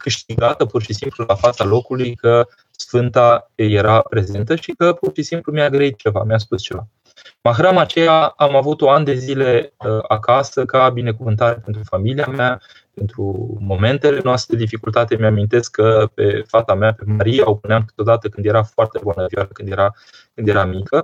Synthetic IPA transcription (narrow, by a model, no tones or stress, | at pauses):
kɨʃt̪iɡat̪əpurʃisimplulafat̪salo̞kulujkə | sfɨnt̪aje̞ɾapɾe̞ze̞nt̪əʃikəpurʃisimplumiaɡɾəit̪̚t͡ʃe̞va̰mjas̬pust͡ʃe̞va | maxɾamat͡ʃe̞jaːmavut̪oand̪e̞zile̞əakasəkabine̞kuvɨnt̪aɾe̞pe̞nt̪ɾufamiliama | pe̞nt̪ɾṵmo̞me̞nt̪e̞le̞noast̪ɾded̪ifikult̪at̪e̞mjamint̪e̞skkʰːəpe̞̰fat̪amape̞maɾijaopuneamkɨ̥t̪o̞d̪at̪əkɨnd̪je̞ɾafoart̪e̞buanəvjaləkɨnd̪jeɾa | kɨnd̪je̞ɾamikə